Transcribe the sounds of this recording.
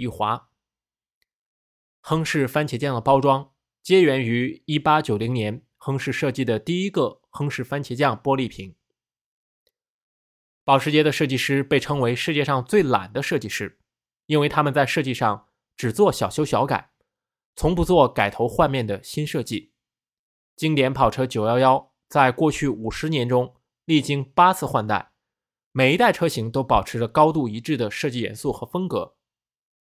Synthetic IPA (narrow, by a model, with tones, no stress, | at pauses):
i˥˩xwa˧˥ | xɤ˥ŋʂɻ̩˥˩fa˥nt͡ɕʰɛ˧˥t͡ɕjɑ˥˩ŋd̪ə˩pɑ˥ʊʈ͡ʂwɑ˥ŋ | t͡ɕjɛ˥ɥɛ˧˥ny˧˥i˥pa˥t͡ɕjo˨˩ʊli˧˥ŋnjɛ˧˥n | xɤ˥ŋʂɻ̩˥˧ʂɤ˥˧t͡ɕi˥˩d̪ə˩t̪i˥˩i˥ɡə˧ | xɤ˥ŋʂɻ̩˥˩fa˥nt͡ɕʰjɛ˧˥t͡ɕjɑ˥˩ŋpwɔ˥li˥˩pʰi˧˥˦ŋ | pɑ˨˩ʊʂɻ̩˧˥t͡ɕjɛ˥d̪ə˨ʂɤ˥˧t͡ɕi˥˧ʂɻ̩˥pe˥˩ɪʈ͡ʂʰɤ˥ŋwe˧˥ɪʂɻ̩˥˧t͡ɕjɛ˥˧ʂɑ˥˧ŋt͡swe˥˩ɪla̰˨˩nd̪ə˦ʂɤ˥˧t͡ɕi˥˧ʂɻ̩˥˩ | i˥nwe˥˧ɪt̪ʰa˥mə˨nt͡sa˥˧ɪʂɤ˥˧t͡ɕi˥˧ʂɑ˥˩ŋ | ʈ͡ʂɻ̩˨˩t͡swɔ˥˩ɕjɑ˨˩ʊɕjo˥ʊɕjɑ˧˥ʊka̰˨˩˦ɪ | t͡sʰʊ˧˥ŋpu˧˥t͡swɔ˥˩ka˨˩ɪt̪ʰo˧˥ʊxwa˥˧nmjɛ˥˩nd̪ə˩ɕi˥nʂɤ˥˧t͡ɕi˥˩ | t͡ɕi˥ŋt̪jɛ˧˥npʰɑ˨˩ʊʈ͡ʂʰɤ˥t͡ɕjo˨˩ʊjɑ˥ʊjɑ˥ʊ | t͡sa˥˧ɪkwɔ˥˧t͡ɕʰy˥˩u˨˩ʂɻ̩˧˥njɛ˧˥nʈ͡ʂʊ˥ŋ | li˥˩t͡ɕi˥ŋpa˥t͡sʰɹ̩˥˧xwa˥˧nt̪a̰˥˩ɪ | me˨˩ɪi˧˥t̪a˥˩ɪʈ͡ʂʰɤ˥ɕi˧˥ŋt̪o˥ʊpɑ˨˩ʊʈ͡ʂʰɻ̩˧˥lə˧kɑ˥ʊt̪u˥˩i˧˥ʈ͡ʂɻ̩˥˩d̪ə˩ʂɤ˥˧t͡ɕi˥˩jɛ̰˧˥nsu˥˩xɤ˧˥fə˥ŋkɤ̰˧˥